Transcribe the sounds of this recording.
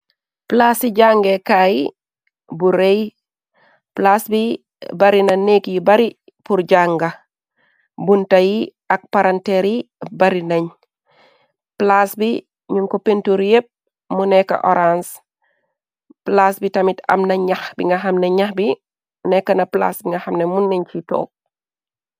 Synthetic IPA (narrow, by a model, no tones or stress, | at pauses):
plasiɟaŋɡɛkaji | buɾej | plasbi | bɐɾinɐɲnekjibɐɾi | puɾd͡ʒaŋɡɐ | buntɐji | ɐk̚paɾantɛɾibɐɾinɐɲ | plasbi | ɲuŋkɔpentuɾjep̚ | munɛkɐ̰ʔɔɾans | plasbitɐmitɐ̰mnɐɲɐxbiŋɡɐxɐmnɐɲɐxbi | nɛkːɐnɐpla̰sbiŋɡɐxɐmnɛmunːeɲt͡ʃitɔ̰ːk̚